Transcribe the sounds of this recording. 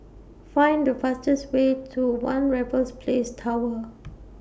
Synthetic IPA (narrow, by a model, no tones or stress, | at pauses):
fãɪ̃ndəfastəswetʰuwãnɹɛvəlspʰlestʰawə